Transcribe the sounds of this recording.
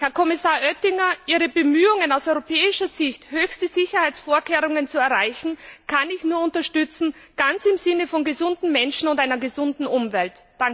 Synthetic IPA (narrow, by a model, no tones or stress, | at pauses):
hɛɐkʰɔmɪsaːɐʔœtɪŋɐʔiːʁəbəmyːʊŋənaʊsɔʏʁopʰɛːɪʃɐz̥ɪçthøːçstəz̥ɪçɐhaɪt͡sfoːɐkʰeːʁʊŋənt͡suɛɐʁaɪçn̩kʰanɪçnuːɐʊntɐʃtʏt͡sn̩ɡ̥ant͡sɪmzɪnəfɔnɡəzʊndn̩mɛnʃn̩ʊntaɪnɐɡəzʊndn̩ʊmvɛltd̥a